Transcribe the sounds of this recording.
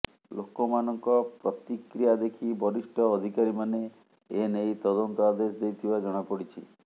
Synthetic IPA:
lokɔmanɔŋkɔpɾɔt̪ikɾijad̪ekʰibɔɾiʃʈʰɔːd̪ʱikaɾimane | enejt̪ɔd̪ɔnt̪ɔad̪esd̪ejt̪ʰibad͡ʒɔɽ̃apɔɽit͡ʃʰḭ

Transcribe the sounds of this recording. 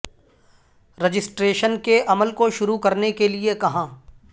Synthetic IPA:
ɾɐd͡ʒɪsʈɾeːʃənkeʔɐməlkoʃʊɾukɐɾnekeliekɐɦãː

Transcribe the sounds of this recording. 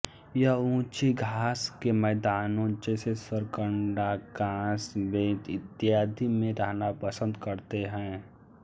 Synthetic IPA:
jɐɦũːt͡ʃiɡʱaːskemɛːd̪aːnõd͡ʒesesəɾkəɳɖakãːsbẽːt̪ɪt̪jaːd̪ʱimẽɾəɦnapəsə̃nd̪kəɾt̪eɦɛ̃ː

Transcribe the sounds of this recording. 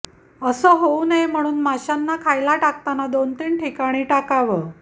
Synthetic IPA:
əsəːɦounəjm̤əɽ̃uːnmaɕanːakʰajlaʈak̚t̪anad̪ont̪iːɳʈʰikaɽ̃iːʈakaʋəː

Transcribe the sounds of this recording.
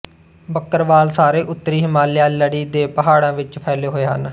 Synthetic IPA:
bəkːəɾʋaːlsaːɾeːʔʊt̪ːəɾiːɦɪmaːljaːləɽiːd̪eːpəɦaːɽãːʋɪt͡ʃpʰɛːleːɦoːeːɦən

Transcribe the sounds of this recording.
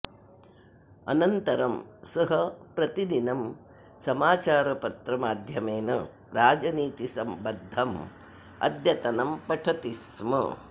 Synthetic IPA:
ɐ̰nɐnt̪ɐɾɐmsɐɦɐpɾɐt̪id̪inɐm | sɐmaːt͡ʃaːɾɐpɐt̪ɾɐmaːd̪ʱjɐmeːnɐ | ɾaːd͡ʒɐniːt̪isɐmbɐd̪ʱːɐm | ɐ̰d̪ʱjɐt̪ɐnɐmpɐʈʰɐt̪ismɐ̰

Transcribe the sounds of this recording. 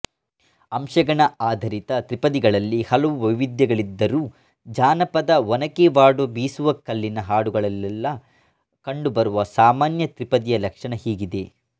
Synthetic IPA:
ɐmʃɐɡɐɳɐaːd̪ʱɐɾit̪ɐt̪ɾipɐd̪iɡɐɭɐlːihɐlɐʋuʋɐʋʋid̪jɐɡɐɭid̪ːɐɾuː | d͡ʒaːnɐpɐd̪ɐʋɔnɐkeʋaːɽuʋɐbiːsuʋɐkɐlːinɐɦaːɽuɡɐɭɐlːɛlːɐ | kɐɳɖubɐɾuʋɐsaːmaːnjɐt̪ɾipɐd̪ijɐlɐkʂɐɳɐhiːɡid̪e̞

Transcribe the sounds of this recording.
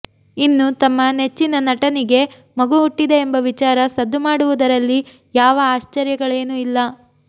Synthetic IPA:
inːut̪ɐmːɐne̞t͡ʃːinɐnɐʈɐniɡe̞ | mɐɡuɦuʈːid̪eːmbɐʋit͡ʃaːɾɐsɐd̪ːumaːɽuʋud̪ɐɾɐlːi | jaːʋɐaːʃt͡ʃɐɾjɐɡɐɭe̞ːnuilːɐ

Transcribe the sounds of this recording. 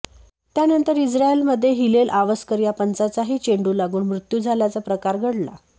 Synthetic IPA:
t̪janənt̪əɾid͡zɾaelməd̪ʱːjeɦilelʔaʋəskəɾjapənt͡sat͡saɦiːt͡ɕeɳɖuːlaɡuːnmɾut̪juːd͡zʱalat͡sapɾəkaɾɡʱəɽla̰

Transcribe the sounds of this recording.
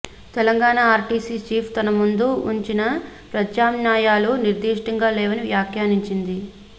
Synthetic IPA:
t̪ɛlɐŋɡaːɳaːɾʈiːsiːt͡ʃiːpʰt̪ɐnɐmund̪uuɲt͡ʃinɐpɾɐd̪jaːmnjaːjaːluniɾd̪iːʂʈɐŋɡaːlɛːʋɐniʋjaːkʰjaːniɲt͡ʃind̪i

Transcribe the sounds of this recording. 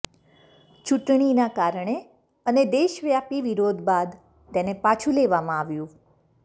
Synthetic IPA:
t͡ʃuʈɳ̃inakaɾɳe | əned̪eʃʋjapiʋiɾod̪bad̪ | t̪enepat͡ʃʰuleʋamãaʋjũ

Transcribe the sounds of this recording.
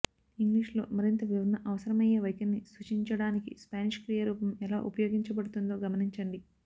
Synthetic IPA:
iŋɡliːʂlo̞̰ːmɐɾint̪ɐʋiʋɐnːɐʔɐʋɐsɐɾɐmɐjeːʋɐjkɐnːisut͡ʃiɲt͡ʃɐɽaːnikḭspaːniʃkɾijɐɾuːpɐmɛla̰ːʔupɐjo̞ːɡiɲt͡ʃɐbɐɽut̪und̪o̞ːɡɐmɐniɲt͡ʃɐɳɖi

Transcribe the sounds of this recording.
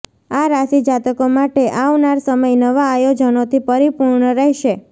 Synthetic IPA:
aɾasid͡ʒat̪əkomaʈeʔaʋnaɾsəməjnəʋaːjod͡ʒənot̪ʰipəɾipuɾɳəɾəɦʃe

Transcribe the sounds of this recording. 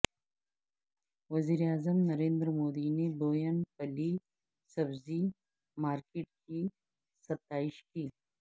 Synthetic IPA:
ʋɐziːɾeaːzəmnɐɾẽːnd̪ɾmoːd̪ineboːjənpɐli | sɐbzi | maːɾkɪːʈ̚ki | sɐt̪aːɪʃkiː

